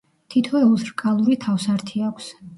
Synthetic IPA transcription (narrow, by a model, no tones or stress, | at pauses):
t̪ʰit̪ʰɔɛuzɾkʼalˠuɾit̪ʰafsaɾt̪ʰiakʷʰs